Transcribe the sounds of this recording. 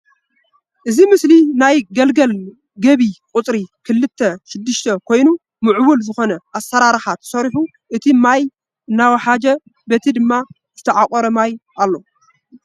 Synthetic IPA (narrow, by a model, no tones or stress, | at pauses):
ʔɨzimɨslinajɡɐlɡɐl | ɡɐβikʼʊt͡sʼɾikʰɨlːɨt̪ʰːɐʃɪd̪ːɨʃt̪ʰɐkʰo̞jnu | mɨʕwʊlzɨxo̞nɐʔasːɐɾaɾɨxat̪ʰːɐ̥sɐɾiħu | ʔɨt̪ʰimaj | ɨnːawɐħad͡ʒɐ | bet̪ʰid̪ɨmːa | zɨt̪ʰɐʕakʼɐɾɐmajʔalːo̞